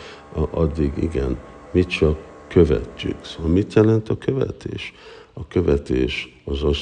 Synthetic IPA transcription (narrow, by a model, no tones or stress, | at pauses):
ʔɒd̪ːiɡḭɡɛn | mit͡ʃɒkːø̞vɛ̰t͡ʃːy̰ksoɒlmit̪jɛlɛnt̪ɒkø̞vɛ̰t̪ʰeːʃɒkø̞vɛt̪eːʃ | ɒzos